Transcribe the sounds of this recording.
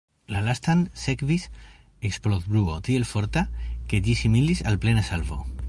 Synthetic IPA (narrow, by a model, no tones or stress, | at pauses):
lalast̪ansekβis | eksplot̪bɾuot̪ielfoɾt̪akeʎisimilisalplenesalβo̰